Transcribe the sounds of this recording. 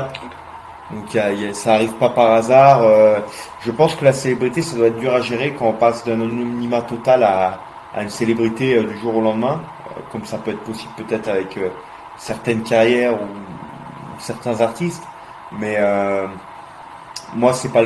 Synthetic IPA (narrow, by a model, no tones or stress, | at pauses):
d̪ɔ̃kjajasaːʁivpapaʁazaʁøʒ̥əpɑ̃skəlaselebʁit̪esad̪waɛt̪̚d̪yʁaʒeʁekɑ̃ɔ̃pasd̪ɛ̃nɔnɔmnimat̪ɔt̪ala | a̰ynselebʁit̪eød̪yʒuʁolɑ̃d̪mɛ̃ | ø̰kɔmsapøɛt̪χəpɔsiblpøt̪ɛt̪χavɛkø | sɛʁt̪ɛnkʲaʁjɛʁu | sɛʁt̪ɛ̃zaʁt̪ist̪ | mɛø | mwasɛpa